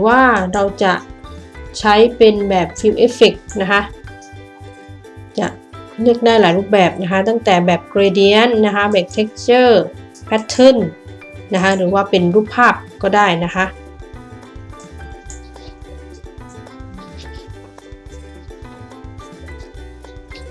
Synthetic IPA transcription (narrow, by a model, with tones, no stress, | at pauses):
waː˥˩ɾa˧wt͡ɕa˨˩ʔ | t͡ɕʰa˦˥jpe˧nbɛː˨˩p̚t̪ʰi˧wʔeː˦˥˩fi˨˩k̚na˦˥kʰa˦˥ʔ | t͡ɕa̰˨˩ʔ | nɯ˥˩ək̚daː˥˩˨jlaː˨˩˦jɾuː˧˥˩p̚bɛː˨˩p̚na˦˥kʰa˦˥t̪a˥˩ŋt̪ɛː˨˩bɛː˨˩p̚kɾe˧di˧˥ə˨nːa˦˥kʰa˦˥bɛː˨˩p̚t̪ʰe˦˥k̚t͡ɕɤː˥˩ | pʰɛ˦˥t̪ʰːɤ˧˥˩n | na˦˥kʰa˦˥ɾɯː˩˦waː˧˥˩pe˨nɾuː˧˥˩pʰːaː˥˩p̚kɔː˥˩daː˥˩jna˦˥kʰa˦˥ʔ